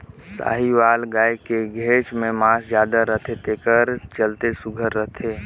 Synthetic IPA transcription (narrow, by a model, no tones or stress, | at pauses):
sa̰ːɦiʋaːlɡaːekeɡʱeːt͡ʃmẽmãːsd͡ʒjaːd̪aɾət̪ʰet̪ekəɾt͡ʃəlt̪esʊɡʱəɾːət̪ʰeː